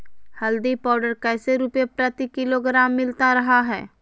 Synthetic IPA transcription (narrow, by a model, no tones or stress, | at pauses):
hɐld̪ipaːɾɖəɾkɛːseɾuːpepɾɐt̪ikɪloɡɾaːmːɪlt̪aɾɐɦaɦɛ̰ː